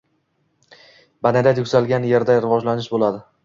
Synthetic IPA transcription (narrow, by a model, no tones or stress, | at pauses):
banad̪at̪ʰjʊkʲsalɡʲanje̞ɾd̪aɾɪvɒd͡ʒlanɪʃbolad̪ɪ